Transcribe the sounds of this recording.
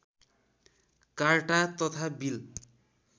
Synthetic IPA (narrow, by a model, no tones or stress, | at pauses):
karʈat̪ʌt̪ʰabil